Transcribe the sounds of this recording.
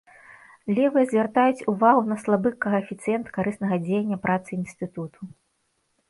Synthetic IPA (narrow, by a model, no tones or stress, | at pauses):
lʲɛvɨjɐzʲvʲɛrt̪ajut͡sʲuvaɣunɐslˠabɨkːɐɣɐːfʲit̪sɨjɛnt̪kaɾɨsnɐɣɐd͡zʲejɐnʲːɐpɾʔat̪sɨinst̪ɨt̪ut̪ʰu